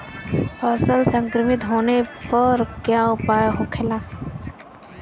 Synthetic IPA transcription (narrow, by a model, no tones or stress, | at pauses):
əsəlsə̃ŋkɾəmɪt̪ɦoːnepəɾkjaʊpaːjɦokʰelãː